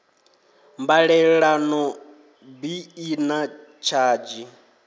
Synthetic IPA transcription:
mbaɺɛɺanɔ | biːnat͡ʃʰaːd͡ʒi

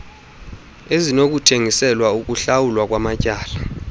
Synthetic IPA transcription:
ezinok̬ʼutʰeŋisɛlwauk̬ʼuɬawulwak̬ʼwamacʼaːla

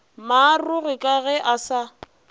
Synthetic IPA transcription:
maːrʊɣɪkʼaɣɛʔasa

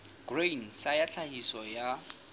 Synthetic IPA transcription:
ɡren̩sajat͡ɬʰahisɔja

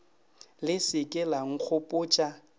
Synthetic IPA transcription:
lɪsɪkʼɛlaŋ̩k͡xʰʊpʼʊt͡ʃʼa

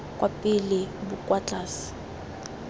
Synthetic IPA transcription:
kʼwʔapʼilɪbukʼwat͡ɬʼaːsi̥

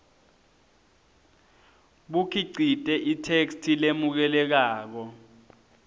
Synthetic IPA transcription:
ɓukʰiǀʱitʼɛʔitʰekstʰilemuk̬ɛlɛk̬aːk̬ɔ

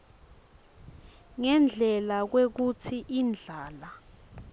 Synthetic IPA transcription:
ŋɛnd͡ɮʱɛlak̬wek̬utʰiʔind͡ɮʱaːla

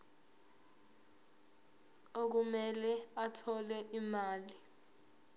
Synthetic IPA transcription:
ok̬umɛlɛatʰɔlɛʔimaːli

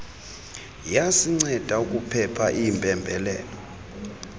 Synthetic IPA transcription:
jasiŋ͡ǀɛd̥ʱauk̬ʼupʰɛpʰaʔimpʼɛmbʱɛlɛ̰ːlɔ

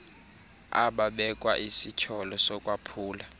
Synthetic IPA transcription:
a̰ɓaɓɛkʼwaʔisicʰɔlɔsɔkʼwapʰuːla

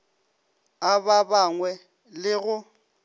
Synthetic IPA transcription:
ababaŋwɛ | lɪɣʊ

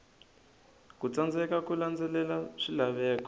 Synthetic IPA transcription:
kut͡sand͡zɛkakuland͡zɛlɛlaʂilaβɛːkɔ

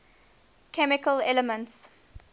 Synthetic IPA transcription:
kʰɛmɪkəlɛləmə̃nts

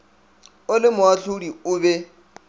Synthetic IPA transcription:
ʊlɪmʊaɬʊdiʊbɛ

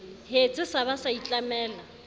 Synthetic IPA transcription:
het͡sʼɪsaβasait͡ɬʼamɛːla

